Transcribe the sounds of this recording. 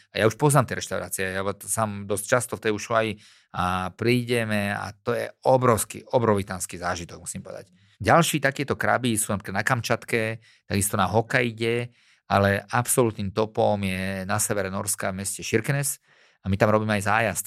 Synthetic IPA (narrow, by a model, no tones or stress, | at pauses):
ajauʃpɔznaːmt̪ɛjɾɛʃt̪aʊɾa̰ːt͡siɛjasamd̪ɔst͡ʃast̪ɔft̪ɛjuʃuaj | apɾiːɟɛmɛa̰t̪ɔjɛ̰ɔbɾɔʊskḭʔɔbɾɔʋit̪aːnskizaːʒit̪ɔɡ̚musiːmpɔʋɛ̰d̪a̰c | ɟalʃiːt̪akɛɛt̪ɔkɾa̰bisuːnapɾikad̪nakamt͡ʃat̪kɛ | t̪aɡist̪ɔnaɦɔkajɟɛ | alɛʔapsɔlut̪niːmt̪ɔpɔmjɛnasɛʋɛɾɛnɔɾskavmɛscɛʃiɾknɛs | amit̪amɾɔbiːmɛajzaːjast̪